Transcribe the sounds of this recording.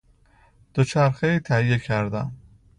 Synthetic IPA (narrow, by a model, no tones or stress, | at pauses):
d̪̥ot͡ʃʰæɾxeiːt̪ʰæhijekʰæɾd̪æm